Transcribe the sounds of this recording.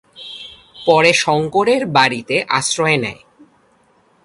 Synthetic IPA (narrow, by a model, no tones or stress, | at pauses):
pɔɾeʃɔŋkoɾeɾbaɽit̪eʔa̰sɾɔenɛ̰e